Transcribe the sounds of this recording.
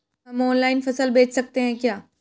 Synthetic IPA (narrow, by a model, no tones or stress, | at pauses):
ɦɐmɔːnlaːɪnfɐsəlbeːt͡ʃʰsɐk̚t̪eɦɛ̃ːkjaː